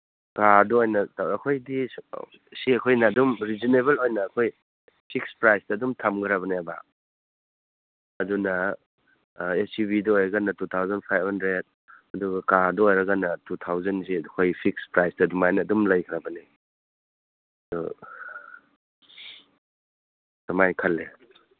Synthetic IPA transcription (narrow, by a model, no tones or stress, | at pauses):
kadɐojnɐɐkʰojdi | siɐkʰojnɐːdumɾizineβelojnɐːkʰoj | pʰik̚spɾajsdɐːdumtʰɐmɡɐɾaβɐnaba̰ | ɐdunɐ | esiβidɐojɾɐɡanːɐtutʰawzɐnpʰajbhɐndɾed̚ | ɐduɡɐkadɐojɾɐɡanːɐtutʰawzɐnzikʰojpʰik̚spɾajsdɐdumajnɐːdumlɐjkʰɾabɐni | dɔ̰ | tɐmajkʰɐlːe